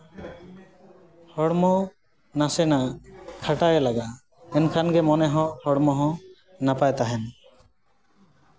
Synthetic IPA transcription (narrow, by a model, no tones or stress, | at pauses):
hɔɽmɔ | nasɛnakʰaʈaɛlaɡa | ɛnkʰanɡɛmɔnɛɦɔ̃hɔɽmɔɦɔ̃ | napajt̪aɦɛn